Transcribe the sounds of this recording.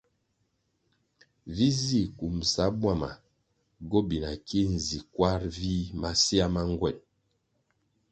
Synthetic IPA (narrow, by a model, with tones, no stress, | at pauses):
vi˦zi˦˨ku˨msa˨˦bwa˦˨ma̰˨ | ɡo˦bi˨na˨ki˦n̩˨zi˨kwa˦ɾvi˦ma˦si˦a˦ma˦ŋ˦ɡwɛ˨n